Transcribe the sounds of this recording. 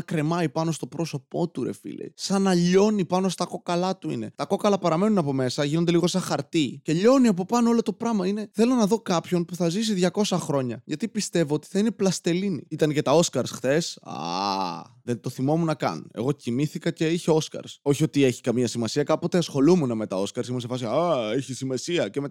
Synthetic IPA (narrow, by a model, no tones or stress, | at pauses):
ɐkɾe̞mɐipɐno̞st̪o̞pɾo̞so̞po̞t̪uɾe̞̰fḭlḛjsɐnɐʎo̞nipɐno̞st̪ɐko̞kɐlɐt̪uḭne̞t̪ɐko̞kɐlɐpɐɾɐme̞nunɐpo̞me̞sɐʝinond̪eliɣo̞sɐxɐɾt̪ice̞ʎo̞niɐpo̞pɐnoo̞lo̞t̪o̞pɾɐmɐine̞θe̞lo̞nɐðo̞kɐpço̞npuθɐzis̬iðʝɐko̞sɐxɾo̞ɲɐʝɐt̪ipist̪e̞voot̪i̥θɐine̞plɐst̪e̞linḭit̪ɐnce̞t̪ɐo̞skɐɾsxθe̞sa̰ | ðe̞nt̪o̞θimo̞munɐkɐ̰ne̞̰ɣo̞cimiθikɐce̞içe̞o̞skɐ̰ɾso̞çio̞t̪ieçi̥kɐmiɐsimɐsiɐkɐpo̞t̪e̞ɐsxo̞lumuneme̞t̪ɐo̞skɐɾsimusefɐs̬iaeçisimɐsiɐceme